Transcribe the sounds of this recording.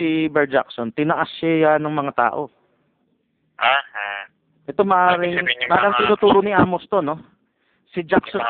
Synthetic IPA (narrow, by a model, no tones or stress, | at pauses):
ɪbɛɹd͡ʒa̰ksont̪ɪnɐʔasːajanɐŋmɐŋat̪a̰ːʔo̞ | ʔah | ʔɛt̪o̞mɐʔaːɾɪŋmɐʔaːɾɐŋt̪ɪnuːt̪uːɾonɪʔaːmost̪ono̞ | sɪd͡ʒakso